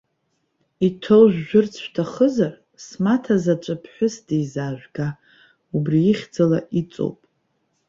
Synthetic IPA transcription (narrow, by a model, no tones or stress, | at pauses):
itʰowʒʷᶣʒʊrt͡sʰʃtʰaχəzar | smatʰazat͡ʃʷʼapʰħʷᶣʊsdejzaːʒᶣʷɡa | ubriiχʲd͡zalaʔit͡sʼo̰wpʼ